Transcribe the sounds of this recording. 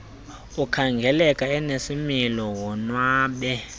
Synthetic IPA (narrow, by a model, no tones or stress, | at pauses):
ukʰaŋɡʱɛlɛkʼaɛnesimilɔwɔnwaːɓɛ